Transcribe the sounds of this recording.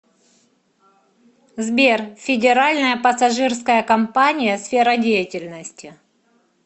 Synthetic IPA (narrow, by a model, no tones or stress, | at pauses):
zbʲerfʲɪdʲɪɾalʲnəjəpəsɐʐɨrskəjəkɐmpanʲɪjəsfʲeɾədʲejətʲɪlʲnəsʲtʲɪ